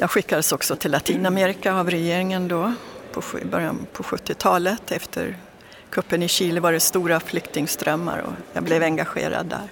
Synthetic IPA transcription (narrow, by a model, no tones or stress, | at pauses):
jɑːɡɧɪkːad̪əsɔksɔt̪ʰɪlːat̪ʰiːnameːɾɪkaavɾɛjeːɾɪŋənd̪ɔpʰɔbœɾja̰npʰɔɧɵt̪ːɪt̪ʰɑːlət̪ʰɛft̪ʰə̰ɾ | kʰɵpːənɪɕiːlɪvaɖɛst̪uːɾaflʏkt̪ɪŋst̪ɾœmːa̰ɾɔ̰jɑ̰ːɡblɛvɛŋɡaɧḛːɾa̰d̪ːæ̰ɾ